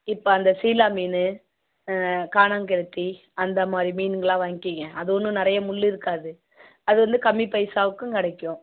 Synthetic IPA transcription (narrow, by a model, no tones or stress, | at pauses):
ɪpːoɐnd̪ɐsiːlaːmiːnɯ | kaːnaŋk̬ɛlɯt̪ːi | ɐnd̪ɐmaːd̪ɾimiːnŋɡɐɭãːʋaːŋɪkiːŋɡɐʔɐðɯɔnːɯ̃nɪɾɐjɐmʊɭːiɪɾɯkːaːðɯ | ɐðɯʋɐnd̪ɯkɐmːipɐɪsaːʋɯkːɯ̃kɪɽɐɪkːʊ̃